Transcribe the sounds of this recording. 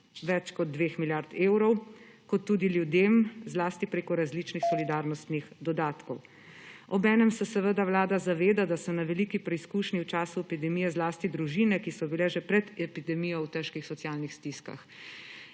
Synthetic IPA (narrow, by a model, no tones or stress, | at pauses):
ʋɛt͡ʃkɔd̪̚d̪ʋeːxmiljaɾt̪eːwɾɔw | kɔt̪ːuːd̪iljud̪eːmzlaːst̪ipɾeːkɔɾazliːt͡ʃnixsɔlid̪aːɾnɔst̪nixd̪ɔd̪aːt̪kɔw | ɔbɛːnɛmsɛsɛʋəd̪awlaːd̪azaʋeːd̪ad̪asɔnaʋɛlikipɾɛiskuːʃniwt͡ʃaːsuɛpid̪ɛmijɛzlaːst̪id̪ɾuʒiːnɛkisɔbilɛʒɛpɾɛd̪ɛpid̪ɛmijɔwt̪ɛʃkixsɔt̪sijaːlnixst̪iska̰x